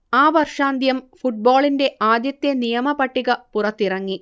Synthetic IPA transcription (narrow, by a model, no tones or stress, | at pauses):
aːʋɐrʂaːnd̪ʱjɐmfuʈ̚boːɭinde̞ʔaːd̪jɐt̪ːjenijɐmɐpɐʈːiɣɐpurɐt̪ːirɐŋːi